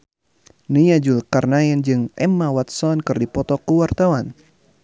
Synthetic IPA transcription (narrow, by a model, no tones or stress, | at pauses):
nəjad͡ʒulkarnajand͡ʒɨŋɛmːawat̪sɔnkɨrdipɔt̪ɔkəwart̪awan